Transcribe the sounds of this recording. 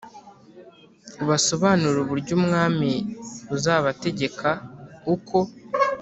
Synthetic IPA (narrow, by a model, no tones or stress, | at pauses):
uβaso̞βaːnuɾuβuɾɟuːmŋaːmiβuzaːβate̞ɟe̞kʰaukʰo̞